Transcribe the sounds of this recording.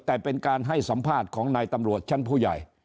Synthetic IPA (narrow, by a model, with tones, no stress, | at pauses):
t̪ɛː˨˩pe˧nkaː˧nɦa˥˩jsa˩˦mpʰaː˥˩t̪̚kʰɔː˩˦ŋnaː˧jt̪a˧mɾu˨˩ət̪̚t͡ɕʰe˥˩npʰuː˥˩ja̰˨˩j